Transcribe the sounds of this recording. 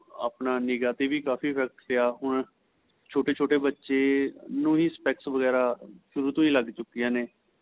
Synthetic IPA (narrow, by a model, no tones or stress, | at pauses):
a̰ːpnaːnɪɡaːt̪eːʋiːkaːfiːpʰɛːk̚ʈpɪaːɦʊɳ | t͡ʃʰoːʈeːt͡ʃʰoːʈeːbətːʃeːnũːĩːspɛːksʋəɡɛːɾaːʃəɾuːɾt̪õːĩːləɡt͡ʃʊkːijãːneː